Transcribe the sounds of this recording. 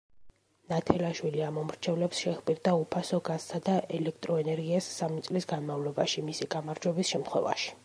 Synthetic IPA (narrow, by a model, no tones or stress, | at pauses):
nat̪ʰɛlaʃwiliamɔmɾt͡ʃʰɛvlɛpsʃɛχbʼiɾd̪aupʰasɔɡazsad̪aʔɛlɛk̚ʰt̪ʼɾɔɛnɛɾɡiasːamit̪sʼlisɡanmavlɔbaʃimisiɡamaɾd͡ʒwɛbisʃɛmt̪χwɛ̰va̰ʃi̥